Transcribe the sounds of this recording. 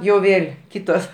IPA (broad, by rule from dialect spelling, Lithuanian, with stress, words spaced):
jɛʊ ˈʋʲeːlʲ ˈkʲiːtoːs